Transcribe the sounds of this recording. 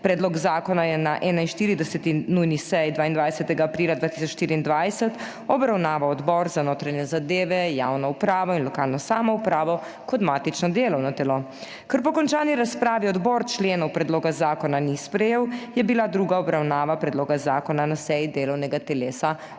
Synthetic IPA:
pɾɛːd̪lɔɡzaːkɔnajɛnaʔɛːnainʃt̪iːɾid̪ɛsɛt̪inujnisɛjd̪ʋaːind̪ʋajsɛt̪ɛɡaːpɾiːlad̪ʋaːt̪isɔt͡ʃʃt̪iːɾiːnd̪ʋajsɛt̪ | ɔbɾawnaːʋawɔd̪bɔɾzanoːt̪ɾaɲɛzad̪eːʋɛjawnɔupɾaːʋɔinlɔkaːlnɔsaːmɔupɾaːʋɔ | kɔt̪maːt̪it͡ʃnɔd̪eːlɔwnat̪ɛlo | kəɾpɔkɔnt͡ʃaːniɾaspɾaːʋiɔd̪bɔɾt͡ʃleːnɔwpɾɛd̪loːɡazaːkɔnanispɾɛjeːwjɛbilad̪ɾuːɡaɔbɾawnaːʋapɾɛd̪loːɡazaːkɔnanasɛjid̪eːlɔwnɛɡat̪ɛleːsa

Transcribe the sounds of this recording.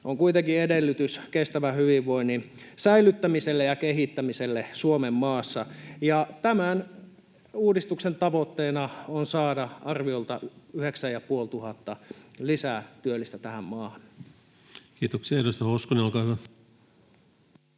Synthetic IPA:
ʔoŋkuit̪eŋkiedelːyt̪yskest̪æʋæhyʋiʋʋoinːinsæilyt̪ːæmiselːejɑkehit̪ːæmiselːesuomemːɑːsːɑjɑt̪æmæn | uːdist̪uksent̪ɑʋot̪ːeːnɑonsɑːdɑɑrʋiolt̪ɑyheksæjɑpuolt̪uhɑt̪ːɑlisæt̪yølːˑist̪æt̪æhæmmɑːhɑn | kiːt̪oksiɑeɾust̪ɑhoskoneolkɑːˑhyʋæ

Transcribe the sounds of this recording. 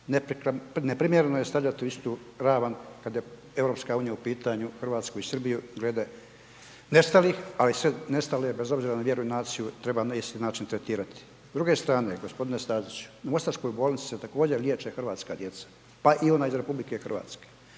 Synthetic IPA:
nepɾikne̞pɾimjeɾenojest̪avʎʲat̪iuist̪u | ɾaːʋankad̪je | e̞vɾo̞pskauːnijaupiːt̪aɲuxr̩ʋaːt̪skuisɨrbijuɡleːd̪e | ne̞st̪aliːxalisʋene̞st̪alebe̞zo̞bziːɾanaʋje̞ɾuinaːt̪sijut̪ɾe̞baist̪inaːt͡ʃint̪ɾet̪iːɾat̪i̥ | zd̪ɾuɡe̞st̪ɾaːne̞ɡo̞spo̞d̪ine̞st̪aːzit͡ɕu̥namo̞st̪aɾʃko̞jboːlˠnit̪si̥set̪akoːd͡ʑelʲjeːt͡ʃexr̩ʋaːt̪skaːd̪je̞t̪sḁ | paʔio̞naːizɾe̞publike̞xr̩ʋa̰ːt̪ske̥ː

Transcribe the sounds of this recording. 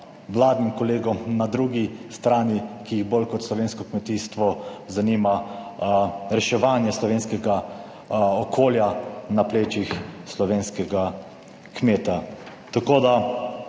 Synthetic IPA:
ʋlaːd̪nimkɔleːɡɔmnad̪ɾuːɡist̪ɾaːnikijiɣbolkɔt̪slɔʋeːnskɔkmɛt̪iːst̪ʋɔzaniːma | ɾɛʃɛʋaːnjɛslɔʋeːnskɛɡa | ɔkʰoːljanapleːt͡ʃixslɔʋeːnskɛɡa | kmeːt̪a | t̪akoːd̪a

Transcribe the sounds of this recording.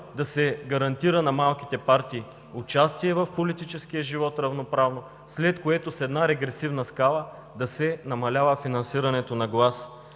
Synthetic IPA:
d̪ɐsɛɡɐɾɐnt̪iɾənɐmalˠk̟i̥t̪ɛpaɾt̪iː | ʊt͡ʃast̪iɛvɐfpolit̪it͡ʃɛskijəʒivɔt̪ɾɐvnopɾavno | slɛt̪koɛt̪osɛd̪naɾɛɡɾɛsivnɐskalˠə | d̪ɐsɛnɐmɐlʲavəfinɐnsiɾɐnɛt̪onɐɡlˠas

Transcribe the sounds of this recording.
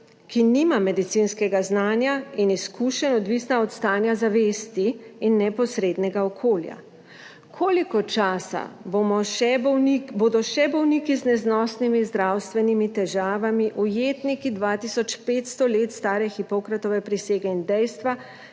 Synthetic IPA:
kiniːmamɛd̪it̪sinskɛɡaznaːnjainiskuʃɛnɔd̪ʋisnaɔt̪st̪aːnjazaʋeːst̪iːnːɛpɔsɾeːd̪nɛɡaɔkʰoːlja̰ | kʰoːlikɔt͡ʃaːsa̰bomɔʃɛboːd̪ɔʃɛbɔwnikiznɛznɔːsnimizd̪ɾawst̪ʋɛnimit̪ɛʒaːʋamiʔujeːt̪nikid̪ʋaːt̪isɔt͡ʃpeːt̪st̪ɔleːt̪st̪aːɾɛxipɔkɾat̪ɔʋɛpɾiseːɡɛind̪ɛjst̪ʋa

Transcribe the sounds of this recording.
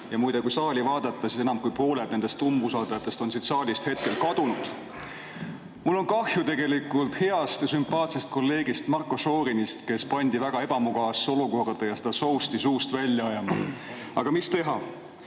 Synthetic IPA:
jɑmujd̪ekujsɑːlʲivɑːd̪̥ɑt̪ːˑɑsise̞nɑmkujpo̞ːled̪ne̞nd̪est̪umbusɑlt̪ɑjɑt̪ːˑe̞st̪o̞nsid̪̥sɑːlʲist̪he̞t̪̚ke̞lkɑd̪̥unud̪̥ | mulːo̞nkɑhjut̪e̞ɡ̥e̞likˑult̪he̞ɑst̪sympˑɑːt̪sest̪̚ko̞lːe̞ːɡ̥ist̪mɑrkːˑoso̞ːɾinist̪ke̞spɑnʲd̪ivæɡ̥ɑe̞b̥ɑmuɡ̥ɑso̞luko̞rd̪̥ɑjɑse̞d̪̥ɑso̞wst̪isuːst̪vælʲjɑɑjɑmɑ̰ | ɑɡ̥ɑmist̪e̞ɦɑ

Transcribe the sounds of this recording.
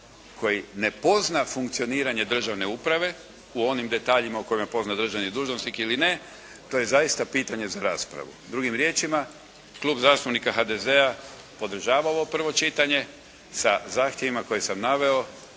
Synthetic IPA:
kʰo̞jine̞po̞znafuŋkt̪sio̞niːɾaɲe̞d̪r̩ʒaʋne̞upɾaʋe̞ | uo̞nimd̪e̞t̪aːʎimauko̞jimepo̞znad̪r̩ʒaʋnid̪uːʒnosnikiline̞ | t̪o̞je̞zajist̪apiːt̪aɲe̞zaɾa̰ːspɾa̰ʋṵd̪ɾuɡimɾje̞ːt͡ʃima | klˠuːbzaːst̪upnikaɦad̪e̞ze̞a | po̞d̪r̩ʒaːʋaoopr̩ʋo̞t͡ʃit̪aɲe̞ | sazaːxt̪jeʋimako̞jesamnaʋe̞o̞

